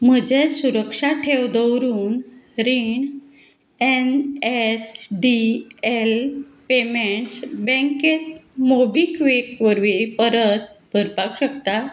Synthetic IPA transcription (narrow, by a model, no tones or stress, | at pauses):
m̤əd͡ʑesuɾəkʂaʈʰeʋd̪əwɾuːnɾiɳ | enesɖielpemeɳʈsbɛ̃ŋket̪mobikʋekʋəɾʋipəɾət̪̚bʱəɾpakɕəkt̪a